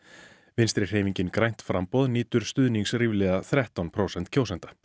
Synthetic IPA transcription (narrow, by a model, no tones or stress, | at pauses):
vɪnst̪ɾɪr̥eːjviɲcɪnkɾajn̥t̪fɾampɔðniːt̪ʏɾ̥st̪ʏðniŋsrivlɛːðaθɾɛht̪ɔnpʰɾowsɛn̥t̪cʰoːwsɛnt̪ḁ